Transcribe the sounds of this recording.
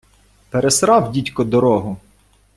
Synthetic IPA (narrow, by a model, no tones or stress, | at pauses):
peɾesɾɑwdʲitʲkɔd̪ɔɾɔɦʊ